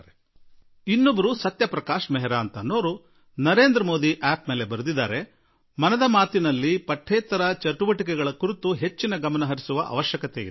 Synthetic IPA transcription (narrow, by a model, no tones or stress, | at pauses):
ɾe | inːobɐɾusɐt̪jɐpɾɐkaːʃmɛɦɛɾaːnt̪ɐno̞ːɾu | nɐɾe̞ːnd̪ɾɐmo̞ːd̪iʔaːp̚meːle̞bɐɾud̪id̪ːa̰ːɾe̞ | mɐnɐd̪ɐmaːt̪inɐlːipɐʈʰːɛːt̪ɐɾɐt͡ʃɐʈuʋɐʈikɛɡɐɭɐkuɾit̪uɦe̞t͡ʃːinɐɡɐmɐnɐɦɐɾisuʋɐʔɐ̰ʋɐʃjɐkɐt̪ḛjḭd̪e